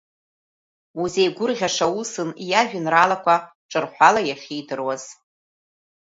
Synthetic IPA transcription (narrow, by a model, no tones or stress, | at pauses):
uzejɡʷʊrʁʲaʂausɨnjaʒᶣɪnralakʷʰa | ʈ͡ʂʼɨrħʷalajaχʲejdɨrwaz̥